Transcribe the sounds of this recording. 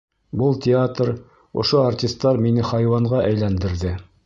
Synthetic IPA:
bɤlˠtʲɪat̪ɾ | ŏ̰ʃoartʲist̪ːɑɾminɘχɑjwɑɴɢɑʔæjlænd̪ɘ̆ɾðɘ

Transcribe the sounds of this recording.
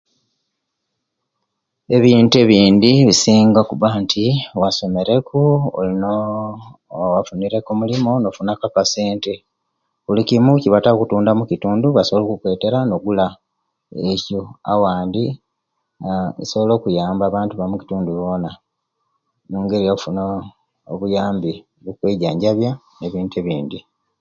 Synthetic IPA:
e̞βiːntue̞βiːndiβisiːŋɡakuβantʰiwaso̞me̞ɾe̞kuo̰lino | wafuniɾe̞komulimo̞no̞funakakase̞ːnte̞ | kulicimuciβatakutuːndamucituːnduβasoβolo̞kukwe̞ːte̞ɾano̞ɡula | ecoa̰waːndi | ḭso̞βo̞lo̞ːkujaːmbaːβaːntuβamuki̥tuːnduβo̞na | muːŋɡe̞ɾijafuno | oβujaːmbi | βukweːɟaːɲɟaβja | ne̞βiːnteβiːndi

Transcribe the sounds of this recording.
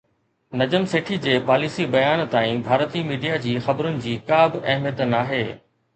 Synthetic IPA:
nɐd͡ʑəmseːʈʰid͡ʑeːpaːliːsibɐjaːnt̪aːĩbʱaːɾt̪imiːɖijad͡ʑiːxɐbɾʊnɪ̆d͡ʑiːkaːbɐɦmjət̪naːɦeː

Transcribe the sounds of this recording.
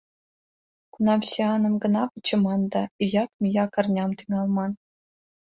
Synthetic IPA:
kunɑmɕʲeɑnɤ̆mɡɤ̆nɑput͡ɕːɤ̆mɑnd̪ɑyjɑkmʲyjɑkɑ̆rnʲɑmt̪yŋɑlˠmɑn

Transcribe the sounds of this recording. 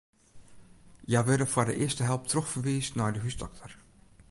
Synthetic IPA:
jajʋødəfwɔːdə̰ʔɪəstəɦɛlˠp̚trɔxfəɹʋiːsnɔjdəɦysdɔk̚tʰər

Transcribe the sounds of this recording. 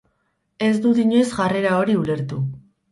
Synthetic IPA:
e̞zd̪uðiɲesɣare̞ɾao̞ɾiule̞ɾt̪u

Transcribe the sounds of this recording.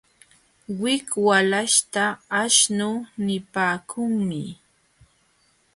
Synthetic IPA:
wɪkwalaʃt̪aːʃnʊːnɪpaːkʊŋmɪ

